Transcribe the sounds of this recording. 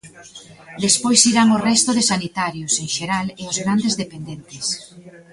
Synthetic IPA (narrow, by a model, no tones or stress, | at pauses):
d̪espojsiɾaŋorɛst̪ʊðesanit̪aɾjoseŋʃeɾaleʊzɣɾand̪ezðepend̪ent̪es